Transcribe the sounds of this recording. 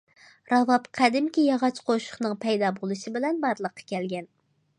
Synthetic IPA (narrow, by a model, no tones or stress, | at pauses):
ɾɑvɑpqʰæd̪ɪmkʲijɑʁɑt͡ʃqʰoʃʊ̥χnɨŋpʰɛjd̪ɑbolˠɨʃɪbɪlɛnbɑɾlˠəqʰːɑ̥kʲɛlɡʲɛn